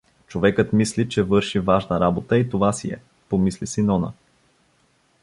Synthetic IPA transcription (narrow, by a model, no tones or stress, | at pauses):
t͡ʃovɛkət̪mislit͡ʃɛvɤɾʃivaʒnəɾabot̪əit̪ovasiɛ̰ | pomislisinɔnə̰